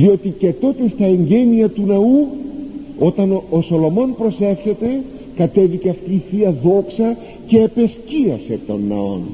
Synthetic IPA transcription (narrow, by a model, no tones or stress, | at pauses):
ðio̞t̪ice̞t̪o̞t̪e̞st̪ɐeɲɟe̞niɐt̪unɐu | o̞t̪ɐnoso̞lo̞mo̞npɾo̞se̞fçe̞t̪e̞ | kɐt̪e̞viceɐft̪iːfiɐðo̞ksɐ | ce̞ːpe̞sciɐse̞t̪o̞̰nːɐ̰o̞̰n